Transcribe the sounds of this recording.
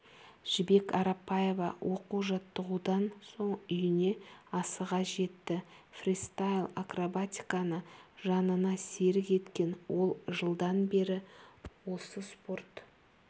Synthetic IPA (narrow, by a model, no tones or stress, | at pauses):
ʒ̥ɪbe̞kʰɑɾɑpːɑje̞vɑwʔo̞quwʒɑt̪ːəʁud̪ɑnso̞ɴʏjɪne̞ɑsəʁɑʒe̞t̪ːɪfrʲist̪ajlˠakrobat̪ʲi̥kanəʒɑnənɑse̞ɾɪkʲe̞t̪kʲe̞nwo̞lˠʒəlˠd̪ɑnbe̞ɾɪwo̞səspo̞rt̪